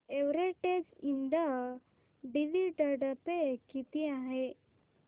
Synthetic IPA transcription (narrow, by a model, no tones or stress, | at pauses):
eʋɾeʈed͡zind̪a | ɖiliʈəɖəpekit̪iaɦe